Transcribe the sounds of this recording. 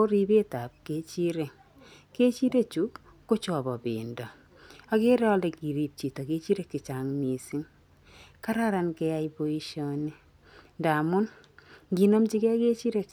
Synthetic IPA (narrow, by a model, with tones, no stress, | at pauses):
o˦ɾi˦be˦ta˨p̚ke˦t͡ʃi˦ɾe˨ | ke˦t͡ʃi˦ɾe˦t͡ʃu˦kː | o˦t͡ʃɔ˨bɔ˨bḭ˨ndɔ˨ | a˨kɪ˦ɾɔ˦lɛ˨ki˨ɾi˨p̚t͡ʃi˨to˨ke˦t͡ʃi˦ɾe˨kːɪ˨t͡ʃa˨ŋmi˨si˦ŋ | ka˦ɾa˦ɾa˨nkɛ˦ja˦ibo˦i˦ʃjo˦ni˦ | nda˨mʊ˦n | ɡi˨no˦mt͡ʃi˦kɛ˦ke˦t͡ʃi˦ɾe˦k